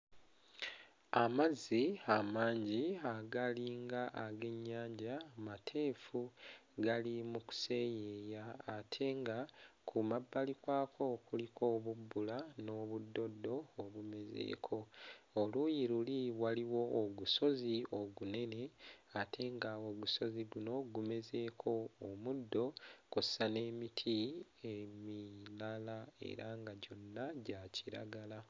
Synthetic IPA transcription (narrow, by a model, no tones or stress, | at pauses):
amaziamaːɲɟiaɡaliːŋɡaʔaɡe̞ɲːaːɲɟamatʰe̞ːfuɡalimuku̥se̞jejaːtʰe̞ŋɡakʰumabːalikwaːkʰo̞kulikʰo̞ːβubːulano̞ːβudːo̞dːo̞ːβumeze̞̰ːkʰo̞olujiɾuliwaliwo̞ːɡuso̞zio̞ɡune̞ne̞atʰe̞ŋɡawo̞ɡuso̞ziɡuno̞ɡume̞ze̞ːkʰo̞ːmudːo̞kusane̞ːmitʰiemilalae̞̰ɾaŋɡaɟo̞nːaɟacʰiɾa̰ɡala